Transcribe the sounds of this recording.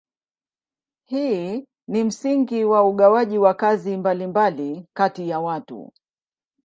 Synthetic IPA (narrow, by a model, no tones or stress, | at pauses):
hiː | nim̩siŋɡiwauɠawaʄiwakazimbalimbalikatijawatṵ